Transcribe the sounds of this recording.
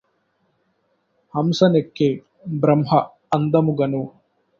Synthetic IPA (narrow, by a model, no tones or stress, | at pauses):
hɐmsɐnekːe | bɾɐmɦɐː | nd̪ɐmuɡɐnu